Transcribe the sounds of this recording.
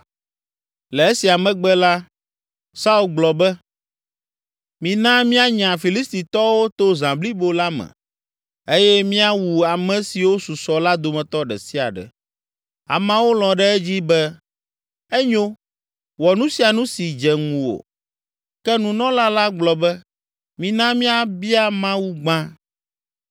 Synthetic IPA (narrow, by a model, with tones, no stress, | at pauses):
lɛ˨e˦si˨a˨mɛ̃˨ɡ͡bɛ˦la˦ | sa˦u˦lɡ͡blɔ˨bɛ˦ | mĩ˨nã˦mĩ˦a˦ɲã˨fi˨li˦st̪i˨t̪ɔ˦wo˦t̪o˦zã˨bli˦bo˦la˦mɛ̰̃˨ | e˦jɛ˦mĩ˦a˦wu˨a˨mɛ̃˨si˨wo˦su˨sɔ˨la˦d̪o˨mɛ̃˨t̪ɔ˦ɖɛ̰˨si˦a̰˨ɖɛ̰˨ | a̰˨mã˨˦wo˦lɔ̃˨ɖɛ˦ɛ˦d͡ʑi˦bɛ˦ | ɛ˦ɲo˦ | wɔ˨nũ˦si˨a˨nũ˦si˨d͡ʒɛ˨ŋũ˨o̰˨ | kɛ˦nũ˨nɔ̃˦la˦la˦ɡ͡blɔ˨bɛ˦ | mĩ˨nã˦mĩ˦a˨bi˦a˦mã˦wu˦ɡ͡bã˦